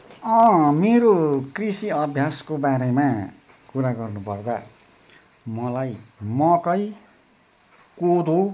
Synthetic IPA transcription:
ʌ̃meɾokrisiʌbʱjaskobaɾema | kuɾaɡʌrnupʌrd̪a̰ | mʌlajmʌkʌj | kod̪o

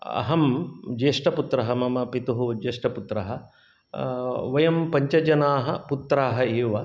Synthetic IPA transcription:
ɐ̰ɦɐmd͡ʒeːʂʈɐput̪ɾɐɦɐmɐmɐpit̪uɦud͡ʒeːʂʈɐput̪ɾɐɦɐ | ʋɐjɐmpɐɲt͡ʃɐd͡ʒɐnaːɦɐput̪ɾaːɦɐeːʋɐ

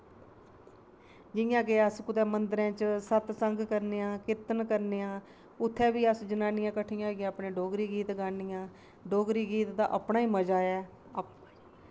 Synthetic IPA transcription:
d͡ʒɪjãːɡeəskʊd̪ɛːmənd̪ɾɛ̃ːt͡ʃsət̪səŋɡkəɾneːãːkɪt̪ːənkəɾneːãː | ʊt̪ʰːɛːbiːəsd͡ʒənaːnɪjãːkəʈʰɪjãːɡjãːəpneːɖoːɡɾiːɡiːt̪ɡaːnɪjãː | ɖoːɡɾiːɡiːt̪d̪a̰ːʔəpɳaːiːməd͡ʒaːɛː

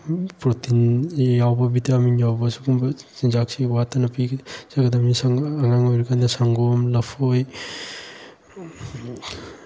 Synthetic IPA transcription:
pɾɔtinjawbɐbitaminjawbɐsukumbsinzak̚siwatanɐpiɡsaɡɐdamisaŋaŋaŋoɾikand̪asaŋɡomlɐpʰoj

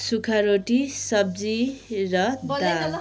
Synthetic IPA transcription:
sukʰaɾoʈisʌb̚d͡zirʌd̪a

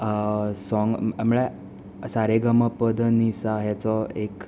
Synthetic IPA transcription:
sɔŋɡmɭɛ | saɾeɡəməpəd̪ʱənisaɦɛt͡sɔek

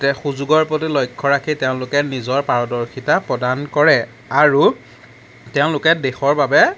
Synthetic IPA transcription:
tɛxuzuɡɔɹpɹɔtilɔjkʰːɔɹakʰiteʊ̃lʊkɛnizɔɹpaɹɔdɔɹkʰitapɹɔdankɔɹɛ | aɹu | tɛʊ̃lʊkɛdexɔɹbabɛ

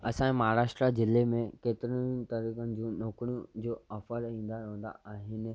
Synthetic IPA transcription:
ɐsãmaɦaːɾaːʃʈɾazɪlemẽkeːt̪ɪɾənt̪ɐɾiːkənɪ̆d͡ʑũːnoːkɽijũd͡ʑoːɐfəɾĩːnd̪aõnd̪a̰aːɦɪnɪ̆

